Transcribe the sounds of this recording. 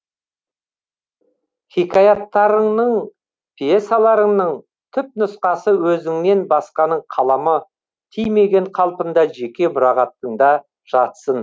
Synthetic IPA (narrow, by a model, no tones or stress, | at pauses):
χʲikajɑt̪ːɑɾəɴnəɴ | pʲʰijesalˠɑɾəɴnəɴ | t̪ʰʏp̚nʊsqɑsəwɵzɪŋne̞nbɑsqɑnəɴqʰɑlˠɑmə | t̪ʰijme̞ɡʲe̞ɴqʰɑlˠpənd̪ɑʒe̞kʲe̞mʊɾɑʁɑt̪ːəɴd̪ɑ | ʒ̥ɑt̪sən